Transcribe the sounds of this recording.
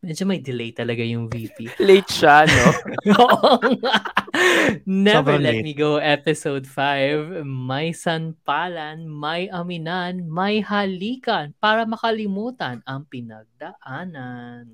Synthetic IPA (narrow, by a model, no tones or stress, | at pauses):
mɛd͡ʒomɐjd̪ɪlɛjt̪ɐlɐɡajʊŋvipilɛjt͡ʃanooʔŋa | nɛvɛɹlɛt̪̚miɡowʔɛpɪsowd̪fajvmɐjsɐnpaːlɐnmɐjʔɐmɪnanmɐjhɐliːkɐnpaːɾɐmɐkɐlɪmuːt̪ɐnɐŋpɪnɐɡ̚d̪ɐʔaːnɐn